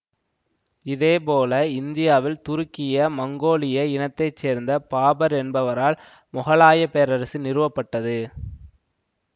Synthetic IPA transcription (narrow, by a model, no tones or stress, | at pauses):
ɪðeːpoːlɐɪnd̪ɪjaːʋɪlt̪ʊɾʊkːɪjɐmɐŋɡoːlɪjɐɪnɐt̪ːɐɪt͡ʃːeːɾnd̪ɐpaːbɐɾɛnbɐʋɐɾaːl | mʊɣɐɭaːjɐpejɐɾɐɾɐsɯnɪɾɯʋɐpːɐʈːɐðɯ